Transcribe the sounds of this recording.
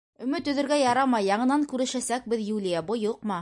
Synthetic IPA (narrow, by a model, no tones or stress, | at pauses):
ɵ̆mɵt̪ɵ̆ðɘ̆ɾɡæjɑɾɑmɑjːɑɴɤ̆nɑŋkʉɾɘ̆ʃæsæk̚bɘðjulʲijabojoqmɑ